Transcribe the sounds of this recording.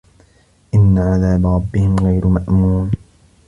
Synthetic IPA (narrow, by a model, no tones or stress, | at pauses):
ʔɪnːaʕaðaːbaɾˤɑbːɪhɪmɣajɾmaʔmuːm